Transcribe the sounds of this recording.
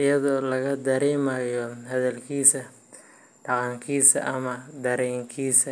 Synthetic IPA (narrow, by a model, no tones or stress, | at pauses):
ʔɪjɐðɔːlɐɣɐd̪ɐɾɛːmɐjɔɦɐðɐlkʰiːsɐ | ɖɑqɑŋkʰiːsɐ̰ʔɐmɐd̪ɐɾɛːŋkʰiːsɐ